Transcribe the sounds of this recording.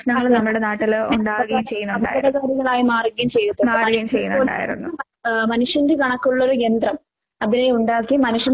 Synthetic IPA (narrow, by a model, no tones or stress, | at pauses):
ʂnɐŋːɐɭnɐmːɐɭuɽe̞naːʈːiluɳɖaːʋɐɣɐjumt͡ɕe̞jːunːuɐɳɐːkːɐɽɐkaːɾjɐŋːɐɭaːjimaːrɡɐjumt͡ɕe̞jːut̪ːɐaːraɣɐjumt͡ɕejːunːouːɖa̰ːjḭɾṵnːu | mɐnuʂjɐnde̞kɐɳɐkːuɭːo̞ɾujend̪rɐm | ɐðineuɳɖaːkːimːɐnuʂjɐ